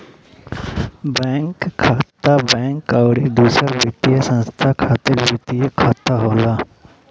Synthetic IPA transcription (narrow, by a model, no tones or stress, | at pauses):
bɛ̃ːŋkʰːaːt̪abɛ̃ːŋkaʊɽid̪uːsɾabit̪ijasə̃nst̪ʰakʰaːt̪eɾbit̪ijekʰaːt̪aɦoːla